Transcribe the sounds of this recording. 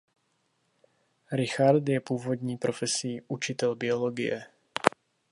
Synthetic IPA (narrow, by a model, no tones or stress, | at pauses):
ɾɪxaɾt̪jɛpuːvo̞d̪ɲiːpɾo̞fɛsiːʔut͡ʃɪt̪ɛlbɪo̞lo̞ɡɪ̰jɛ